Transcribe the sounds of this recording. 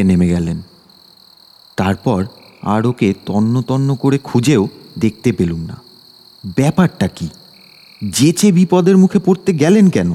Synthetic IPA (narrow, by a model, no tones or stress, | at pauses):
enemeɡɛlen | t̪aɾpɔɾ | a̰ɾoket̪ɔnːot̪ɔnːokoɾekʰud͡ʑeod̪ek̚t̪epelumna̰ | bɛpaɾʈaki | d͡ʑet͡ɕebipɔd̪eɾmukʰepoɾt̪eɡɛlenkɛno